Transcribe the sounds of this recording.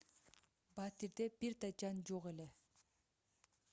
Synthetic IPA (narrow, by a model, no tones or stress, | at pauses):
bat̪iɾd̪ebiɾt̪ɑd͡ʒɑnd͡ʒoʁe̞le̞